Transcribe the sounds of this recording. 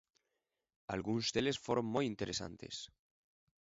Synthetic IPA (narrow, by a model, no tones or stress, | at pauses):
alɣunzd̪elesfoɾoŋmojint̪eɾʔesa̰nt̪ḛs